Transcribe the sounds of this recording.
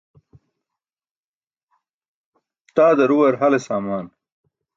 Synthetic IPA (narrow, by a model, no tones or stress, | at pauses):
t̪aːd̪ɐɾuwɐɾɦɐlesaːmaːn